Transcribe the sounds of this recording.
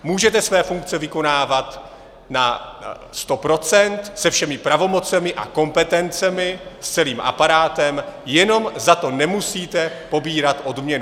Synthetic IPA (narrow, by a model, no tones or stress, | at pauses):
muːʒɛt̪ɛsvɛːfuŋk̚t͡sɛvɪko̞naːvat̪ | na | st̪o̞pɾo̞t͡sɛnt̪sɛfʃɛmɪpɾavo̞mo̞t͡sɛmɪʔa̰ko̞mpɛt̪ɛnt͡sɛmɪst͡sɛliːmʔa̰paɾaːt̪ɛmjɛno̞mzat̪o̞nɛmusiːt̪ɛpo̞biːɾat̪ʔo̞dmɲɛnu